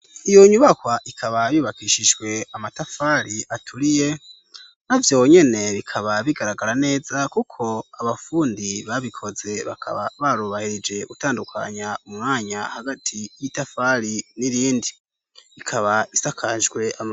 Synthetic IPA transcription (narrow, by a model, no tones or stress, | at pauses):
ijo̞ɲuβakwaʔikʰaβajuːβakiʃiʒɡwe̞amatafaɾiʔatʰuɾije̞ | navjo̞ɲe̞ne̞βikʰaβaβiɡaɾaɡaɾane̞ːzakukʰo̞aβafuːndiβaβikʰo̞ze̞βa̰kʰa̰βaβaɾuβahiɾid͡ʒe̞utaːndukʰa̰ɲaumŋaːɲahaɡatʰijitafaɾiniɾiːndi | ikʰaβaisakʰaʒɡwe̞ʔam